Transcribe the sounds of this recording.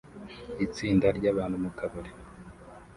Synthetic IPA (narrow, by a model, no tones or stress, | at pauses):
it͡siːndaɾɟaβaːnhumukaβoɾe